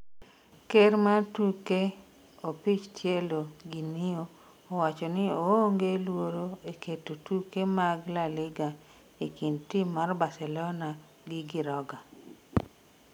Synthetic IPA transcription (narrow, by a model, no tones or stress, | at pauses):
keɾmatuke | opit͡ʃtjeloɡinioː | wat͡ʃɔnɪooŋɡelwoɾoekʰetotukemaɡlalɪɡa | ikintimːarbasɛlɔna | ɡɪɡɪɾɔɡa